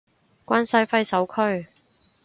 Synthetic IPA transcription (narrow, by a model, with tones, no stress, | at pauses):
kʷaː˥nsɐ˥jfɐ˥jsɐ˨˥wkʰɵ˥ɥ